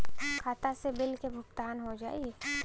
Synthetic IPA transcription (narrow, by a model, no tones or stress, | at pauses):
kʰaːt̪asebɪlkebʱʊkt̪aːnɦod͡ʒa̰ːi